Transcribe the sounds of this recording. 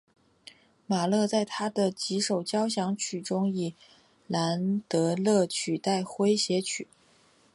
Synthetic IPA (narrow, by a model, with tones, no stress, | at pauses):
ma˨˩lɤ˥˧t͡sa˥˩ɪt̪ʰa˥d̪ə˨t͡ɕi˧˥ʂo˨˩ʊt͡ɕjɑ˥ʊɕjɑ˧˥ŋt͡ɕʰy˨˩ʈ͡ʂʊ˥ŋi˨˩ | la˧˥nt̪ɤ˧˥lɤ˥˩t͡ɕʰy˨˩t̪a˥˩ɪxwe˥ɪɕjɛ˧˥t͡ɕʰy˨˩˦